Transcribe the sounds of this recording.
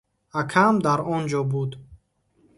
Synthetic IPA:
akʰamd̪aɾɔnd͡ʒɔbud̪

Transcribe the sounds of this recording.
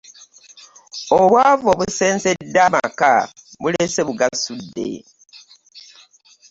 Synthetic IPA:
oβwaːvoβuse̞ːnsedːama̰kaβuleseβuɡasudːe̞̰

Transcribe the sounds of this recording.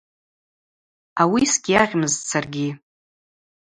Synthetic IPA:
awisɡʲiaʁʲmɨzt͡sʰarɡʲi

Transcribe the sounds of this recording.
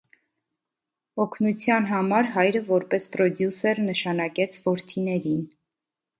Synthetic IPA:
ɔkʰnut͡sʰjɑnɦɑmɑɾɦɑjɾəvɔɾpɛspɾɔd̪jusɛɾnəʃɑnɑkɛt͡sʰvɔɾt̪ʰinɛɾin

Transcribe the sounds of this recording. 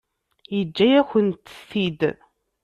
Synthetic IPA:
jəd͡ʒːæjæçənt̪θid̪

